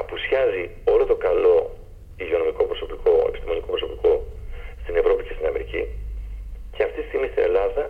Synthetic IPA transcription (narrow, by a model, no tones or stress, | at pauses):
ɐpusiɐzio̞lo̞t̪okɐlo̞ | iʝio̞no̞miko̞pɾoso̞pikʰo̞ḛpi̥st̪imo̞niko̞pɾoso̞piko̞st̪ine̞vɾo̞pice̞st̪inɐme̞ɾici | ce̞ɐft̪it̪ist̪iɣmist̪inʔe̞̰lɐðɐ